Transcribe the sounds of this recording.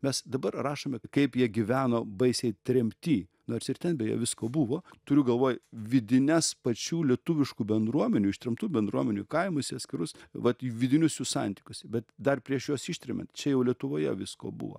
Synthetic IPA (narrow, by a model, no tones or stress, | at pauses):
mʲɛsd̪ɐbɐrrɑːʃoːmʲɛkɐɪpjiɛɡʲɪʋʲæːnoːbɐɪsʲɛɪt̪ʲɾʲɛmʲpʲt̪ʲiːnoːrsʲɪrt̪ʲɛnbʲɛjɛ̰ːʋʲɪskoːbuʋoːt̪ʊɾʲʊɡɐlˠʋoːjʋʲɪd̪ʲɪnʲɛspɐt͡ʃʲuːlʲiɛt̪ʊʋʲɪʃkuːbʲɛnd̪ɾuɔmʲɛnʲuːɪʃt̪ɾʲɛmt̪uːbʲɛnd̪ɾuɔmʲɛnʲukɐɪmosʲɪɐt̪ʲsʲkʲɪɾʊsʋɐt̪ʋʲɪd̪ʲɪnʲʊsʲusɑnʲt̪ʲikʲʊsbʲɛt̪d̪ɐrpʲɾʲiɛʃjoːsiʃʲt̪ʲɾʲɛmʲɛ̰nt̪t͡ʃʲɛjɛʊlʲiɛt̪ʊʋoːjɛ̰ʋʲɪsko̰ːbṵʋo̰